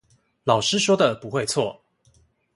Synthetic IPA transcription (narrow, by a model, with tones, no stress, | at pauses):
lɑ˨˩ʊʂɻ̩˦˥ʂwɔ˥d̪ə˨pu˨˦xwe˥˨ɪt͡sʰwɔ˥˨